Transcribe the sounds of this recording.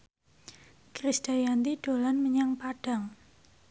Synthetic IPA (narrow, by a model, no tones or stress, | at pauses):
kɾisd̥ajant̪iɖ̥o̤lanməɲaŋpaɖ̥a̤ŋ